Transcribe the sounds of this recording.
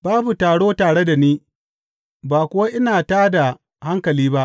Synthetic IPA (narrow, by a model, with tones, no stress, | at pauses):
baː˦bu˨taː˨ɽoː˦taː˨ɽe˦da˨niː˦ | baː˨kʷʊ˦wa˦ʔɪ˦naː˨taː˦da˨ | ha˦ŋkɐ˨liː˦ba˦ʔ